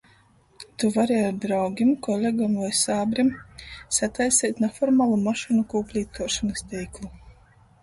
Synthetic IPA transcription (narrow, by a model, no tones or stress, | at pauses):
t̪uvaɾiaɾd̪ɾawɡʲimkɔlʲeɡamlajsaːbɾimsat̪ajsɛːt̪nafɔɾmaːlˠumaʃinukuːplʲiːt̪uɔʃanɨst̪ʲɛjklˠu